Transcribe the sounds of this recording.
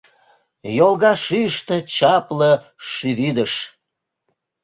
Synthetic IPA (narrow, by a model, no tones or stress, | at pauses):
jolˠɣɑʃyəʃt̪ĕt͡ɕɑplə | ʃyβyd̪əʃ